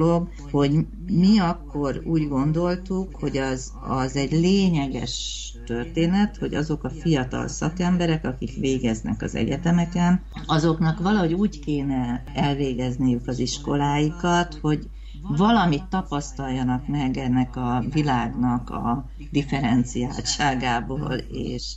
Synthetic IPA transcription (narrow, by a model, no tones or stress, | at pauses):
loɡ | ho̞ɟ | miɒkːo̞ɾṵːɟɡo̞nd̪o̞lt̪ukho̞ɟɒz | ɒzɛɟleːɲɛɡɛ̰ʃ | t̪ø̞rt̪eːnɛt̪ho̞̰ɟɒ̰zo̞kɒfijɒt̪ɒ̰lsɒkɛmbɛɾɛkɒkikʋeːɡɛznɛ̰kɒ̰zɛ̰ɟɛt̪ɛmɛkɛn | ɒzo̞knɒkʋɒlɒɦo̞ɟuːckeːnɛɛlveːɡɛznijukɒziʃko̞laːjikɒt̪ho̞ɟ | vɒlɒmit̪ːɒpɒst̪ɒlːɒnɒkmɛɡɛnːɛkɒvilaːɡnɒkɒ̰ | d̪ifɛɾɛnt̪sijaːlʃaːɡaːbo̰ːlḛːʃ